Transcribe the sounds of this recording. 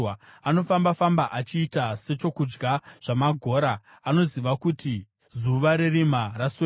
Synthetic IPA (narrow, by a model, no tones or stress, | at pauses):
ano̞fambafambaʔat͡ʃiːtase̞t͡ʃo̞kud͡ʒɡaʐ̥amaɡʱo̞ːɾaː | no̞ziʋakuti | zuʋaɾerimarase